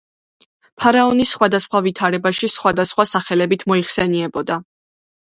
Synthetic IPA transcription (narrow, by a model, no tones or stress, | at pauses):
pʰaɾaɔnisːχwad̪asχwavit̪ʰaɾɛbaʃisχwad̪asχwasaχɛlɛbit̪ʰmɔiχsɛniɛbɔd̪a